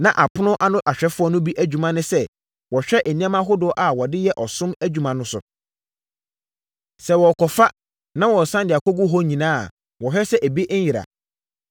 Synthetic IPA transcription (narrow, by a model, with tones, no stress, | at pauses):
nã˨ʔa˨pʰʊ˦nʊ̃˦ʔa˦nʊ̃˦ʔa˨ɕᶣɛ˦fʊ˦ɔ˦nʊ̃˦bi˦ʔæ˦d͡ʑᶣu˨mã˦nʊ̃˦sɛ˦ | wɔ˨ɕᶣɛ˦ʔe˨nĩ˦ã˦mã˦ɦʊ˦dʊ˦ɔ˦ʔa˨wɔ˨dɪ˦jɛ˦ʔɔ˨sʊ̃˦mæ˦d͡ʑᶣu˦mã˨nʊ̃˦sʊ̰˨ | sɛ˨wɔ˨kʰɔ˨fa˦ | nã˦wɔ˨sã˦ndɪ˨a˨kɔ˦ɡʊ˦ɦɔ˦ɲĩ˨nãː˦˨ | wɔ˨ɦɛ˦sɛ˦ʔæ˨bi˦ʔ̩˦jɪ˨ɾa̰˨